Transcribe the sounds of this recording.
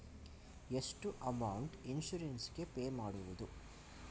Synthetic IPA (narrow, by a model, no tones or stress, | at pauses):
eʂʈuʔɐmɐwuɳʈinʃuɾensɡe̞peːmaːɽuʋud̪u